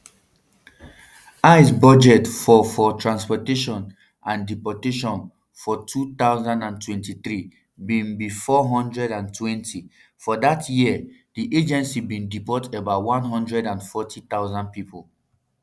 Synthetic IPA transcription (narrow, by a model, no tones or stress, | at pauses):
aɪsbɔd͡ʒɛtfɔfɔtʰɹãnspɔteʃɔ̃n | ʔãndipɔteʃɔ̃n | fɔtʰut̪aʊzãndãntʰwɛ̃ntiθɹi | bĩnbifɔɦɔ̃ndɹɛdãntʰwɛ̃ntʰi | fɔdatʰjidiʔed͡ʒɛ̃nsibĩndipɔtebaʊtwãnɦɔ̃ndɹɛdãnfɔtʰit̪aʊzãnd̚pipol